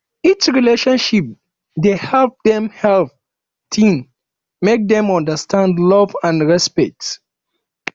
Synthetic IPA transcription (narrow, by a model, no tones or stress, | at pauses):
it͡ʃɹileʃɔ̃nʃip̚ | dehɛlp̚dɛ̃mhɛlp | tĩn | mek̚dɛ̃mɔ̃ndəstʰãndlɔvãnɹɛspɛk̚t